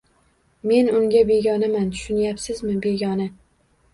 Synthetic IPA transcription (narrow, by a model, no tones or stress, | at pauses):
me̞nʊŋɡʲabe̞ɡʲɒnamant̪ʰʊ̥ʃʊnjapsɪzmɪbe̞ɡʲɒnɪ